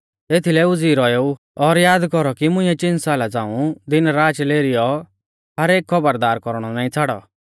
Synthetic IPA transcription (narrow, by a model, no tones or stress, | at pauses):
eːt̪ʰilɛʊd͡ziːɾɔjeːu | ɔɾjaːd̪kɔɾɔkimʊ̃ĩɛt͡ʃɪ̃nsaːlad͡zãːũd̪ɪnɾaːt͡ʃleːɾɪjɔ | ɦɐɾeːkkʰːɔbəɾd̪aːɾkɔɾɽ̃ɔnaːĩt͡sʰaɽɔ̰